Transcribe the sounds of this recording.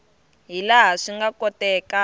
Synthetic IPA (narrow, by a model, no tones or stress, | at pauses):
ɦilaɦaʂiŋɡakɔtɛka